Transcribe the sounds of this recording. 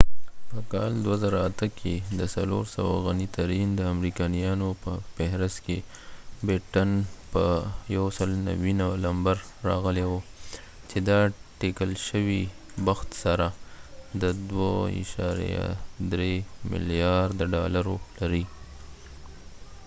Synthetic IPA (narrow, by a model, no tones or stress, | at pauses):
pəkɑld̪wazaɾaat̪əkʰed̪əsaloɾsawa̰ɣanit̪aɾind̪əamɾikɑnijɑnopəfɪhɾɪst̪ke | bɪʈanpəjawsəlna̰winalambaɾːɑɣəlewo | t͡ʃed̪ɑʈekəlʃəwi | waxt̪saɾad̪əd̪waḭʃɑ̰ɾ̰ja̰d̪ɾemɪ̰lijɑɾd̪aɖɑlaɾolaɾi